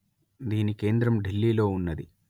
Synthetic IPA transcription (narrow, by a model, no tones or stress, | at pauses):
d̪iːnike̞ːnd̪ɾɐmɖelːiːlo̞ːunːɐd̪ḭ